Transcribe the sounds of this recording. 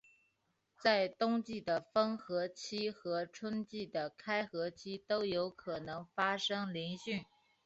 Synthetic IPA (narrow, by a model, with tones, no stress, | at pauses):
t͡sa˥˩ɪt̪ʊ˥ŋt͡ɕi˥˩d̪ə˩fə˥ŋxɤ˧˥t͡ɕʰi˥xɤ˧˥ʈ͡ʂʰwə˥nt͡ɕi˥˩d̪ə˩kʰa˥ɪxɤ˧˥t͡ɕʰi˥t̪o˥ʊjo˧˥ʊkʰɤ˨˩nɤ˧˥ŋfa˥ʂɤ˥ŋli˧˥nɕy˥˩n